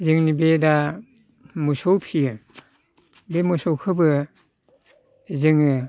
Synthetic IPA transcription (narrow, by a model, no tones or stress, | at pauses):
zɯŋnibeda | musowpʰiɯ | bemusowkʰɯbɯ | zɯŋɯ